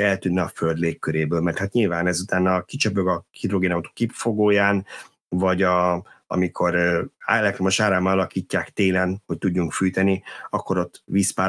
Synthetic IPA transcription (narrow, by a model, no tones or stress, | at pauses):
ɛlt̪ynːɛɒføld̪leːkːøɾeːbøːlmɛrt̪hat̪ɲilvaːnɛzut̪aːnɒkit͡ʃøpø̞ɡɒhid̪ro̞ɡeːnaut̪o̥kifo̞ɡoːjaːn | vɒɟɒɒ̰mikʰo̞ɾɛlɛkt̪rɾomo̞ʃaːɾaːmɒɒlɒkiːcːaːkt̪eːlɛnho̞c̚t̪uɟːuŋkfyːjt̪ɛniɒkːo̞ɾo̞t̪ːʋiːspaː